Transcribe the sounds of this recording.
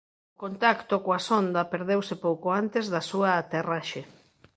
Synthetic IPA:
ʊkont̪akt̪okoasond̪ɐpeɾðewsɪpowkoant̪ezðɐsuaːt̪eraʃe

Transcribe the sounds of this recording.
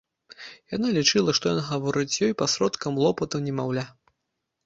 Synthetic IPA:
janalʲit͡ʂɨlˠɐʂt̪ɔjɔnɣavɔɾɨt͡sʲjɔjpɐsɾɔt̪kɐmlˠɔpɐt̪ɐwnʲɛmawlʲa

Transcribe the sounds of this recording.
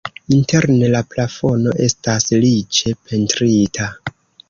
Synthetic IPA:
inte̞ɾne̞laplafo̞no̞ʔe̞staslit͡ʃe̞pʰe̞ntɾitʰa

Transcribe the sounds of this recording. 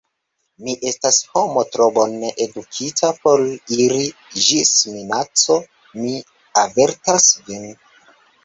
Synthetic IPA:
miʔe̞stasho̞mo̞tɾobonːeʔedukʰitʰapo̞ɾiɾid͡ʒisminat͡so̞ | mi | ave̞ɾtasvin

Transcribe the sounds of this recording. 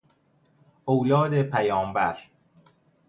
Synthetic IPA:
owlɒːd̪epʰæjɒːmbæɾ

